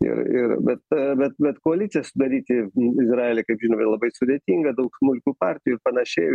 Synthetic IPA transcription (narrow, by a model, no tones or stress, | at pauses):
ɪ̰ɾɪ̰ɾbʲɛt̪bʲɛt̪̚bʲɛt̪koːɐlʲɪt̪sʲɪjɛsʊd̪ɐɾʲiːt̪ʲɪɪzrɑːeːlʲekɐɪpʒʲɪnoːɛlˠɐbɐɪsʊd̪ʲeːt̪ʲiːŋɡɐd̪ɐʊksmʊlʲkʲuːpɑːɾʲt̪ʲɪjuɪɾpɐnɐʃʲɛɪ